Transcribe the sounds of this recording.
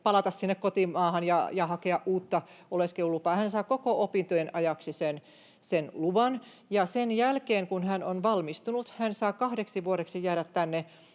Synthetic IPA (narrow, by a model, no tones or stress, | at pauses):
pɑlɑt̪ɑssinːekkot̪immɑːhɑnjɑ̰jɑhɑkeɑʔʔuːt̪ːɑoleskeulːupɑːhænsɑːkokoopint̪ojenʔɑjɑksisen | senluʋɑn | jɑsenjælkeːŋkunhænonʋɑlmist̪unut̪hænsɑːkɑhdeksiʋuoɾeksijæːɾæt̪tænːe